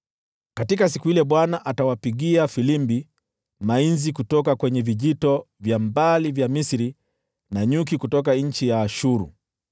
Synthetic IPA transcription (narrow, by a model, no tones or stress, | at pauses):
katikas̬ikuhilɛɓwanaʔatawapiɠiafilimbi | mainzikutɔkakwɛɲɛviʄitɔ | vjambalivjamisiɾi | naɲuk̬ikutɔkaɲ̩t͡ʃijaːʃuɾṵ